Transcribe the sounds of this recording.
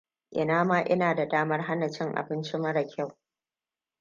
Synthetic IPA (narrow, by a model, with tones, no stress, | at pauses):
ʔɪ̰˨naː˦maː˦ʔɪ˦naː˨da˨daː˦mɐ˦rɦa˦na˨t͡ʃɪ˦ŋʔa̰˨bɪ˦nt͡ʃɪ˦mɐ˦ɽɐ˨kʲʰa˦˨w